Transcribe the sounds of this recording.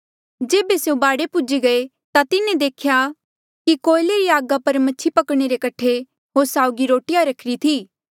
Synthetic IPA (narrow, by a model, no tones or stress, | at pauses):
d͡ʒeːbeseũbaːɽepʊd͡ʒiɡɐe | t̪at̪ɪnẽd̪eːkʰja | kikoːɪleɾiaːɡapɐɾmɐːt͡ʃʰipɐkɽ̃eɾekɐʈʰe | ɦoːɾsaːʊɡiɾoːʈɪjaɾɐkʰɾit̪ʰiː